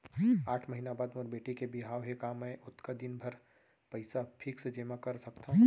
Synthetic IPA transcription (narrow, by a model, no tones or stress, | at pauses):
aːʈʰmɐɦiːnabaːd̪mɔːɾbeːʈikebɪɦaːʋɦekaːmɛ̃ːʔʊt̪kad̪ɪnbʱɐɾ | pɐɪsapʰɪksed͡ʒeːmakɐɾsɐkt̪aɦũ